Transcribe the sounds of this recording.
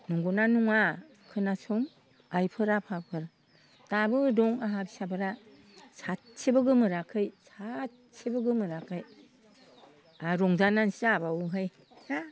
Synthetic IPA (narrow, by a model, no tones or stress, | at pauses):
nuŋɡunanuŋa | kʰɯnasɔŋ | ajpʰɯɾapʰapʰɯɾ | tabɯdɔŋaɦabisabɯɾa | sat̚sebɯɡɯmɯɾakʰɯjsat̚ | sibɯɡɯmɯɾakʰɯj | aɾɔŋzanansabawuɦɯj | ɾa